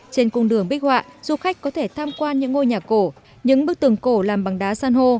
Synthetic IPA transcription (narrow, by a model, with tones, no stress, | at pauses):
t͡ɕe˧nkʊ˧ŋ͡mɗɨ˧˩əŋɓi˦˥k̟̚hwa̰ː˧˨ʔz̥u˧˩xa˦˥jk̟̚kːɔ˨˦t̪ʰe˧˩t̪ʰaː˧mkwaː˧nɲɨ̰˧˥ŋːo˧jɲaː˨˩ko˧˩ | ɲɨ̰˧˥ŋɓɨ˦˥ək̚t̪ɨ˨˧˩əŋko˧˩laː˨˩mɓa˨˩ŋɗaː˨˦saː˧nɦo˧